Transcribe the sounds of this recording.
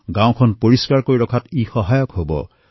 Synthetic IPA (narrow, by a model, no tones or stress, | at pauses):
ɡãw̃kʰɔnpoɹiskaɹkoɹiɾɔkʰatixɔɦajɔkɦobɔ̰